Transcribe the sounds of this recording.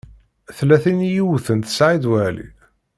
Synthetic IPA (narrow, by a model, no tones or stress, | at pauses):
θlæθinjiwθənt̪ə̥sʕid̪wælḭ